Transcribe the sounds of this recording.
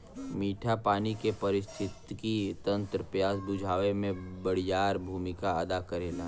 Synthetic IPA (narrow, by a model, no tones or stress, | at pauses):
miːʈʰapaːnikepɐɾɪst̪ʰɪt̪kit̪ɐ̃nt̪ɾəpjaːsbʊd͡ʒʱaːʋemẽbɐɽjaːɾbʱuːmɪkaɐd̪akɐɾeːla